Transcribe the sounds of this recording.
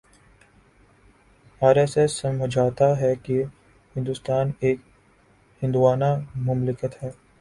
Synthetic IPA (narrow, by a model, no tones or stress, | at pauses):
aːɾeːsesːɐməd͡ʒʱaːt̪aɦɛki | hɪ̃nd̪ʊst̪aːneːk̚ | hɪ̃nd̪uʋaːnamʊmlɪkət̪ɦɛː